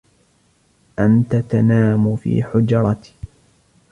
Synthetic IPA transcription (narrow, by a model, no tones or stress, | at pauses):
ʔant̪at̪anaːmʊfḭːħʊd͡ʒɑɾˤɑt̪ː